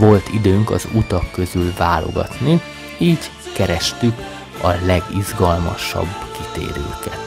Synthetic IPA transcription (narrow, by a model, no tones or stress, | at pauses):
vo̞lt̪id̪øːŋkɒ̰zut̪ɒkːø̞zylvaːlo̞̰ɡɒ̰t̪ni | iːɟ | kɛɾɛʃt̪yk | ɒlɛɡizɡɒlmɒʃɒ̰bːkit̪ḛːɾøːkɛt̪